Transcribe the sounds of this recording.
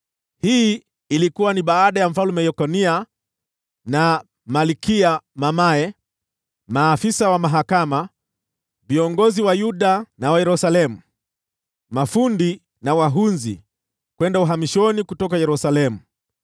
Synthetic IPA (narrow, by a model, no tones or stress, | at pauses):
hiː | likuwaniɓaːɗajam̩falumɛjɔkɔnia | na | malikiamamaɛ | maːfisawamaɦakama | viɔŋɡɔziwajuɗanawajɛɾusalɛmu | mafundi | nawaɦunzḭ | kwɛndauɦamiʃɔnikutɔkajɛɾusalɛmu